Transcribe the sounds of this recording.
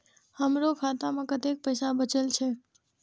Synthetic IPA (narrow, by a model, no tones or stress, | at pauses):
həmɾokʰat̪amãkət̪ek̚pəjsabət͡ʃelt͡ʃʰe